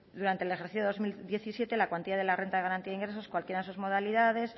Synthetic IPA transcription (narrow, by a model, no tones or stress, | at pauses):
d̪uɾant̪elexeɾθiθjomild̪je̞θisje̞t̪e̞lakwant̪iðaðe̞lare̞nt̪aðeaɾant̪iaðiŋɡɾe̞so̞skwalkjeɾaðesuzmo̞ð̞aliðað̞e̞s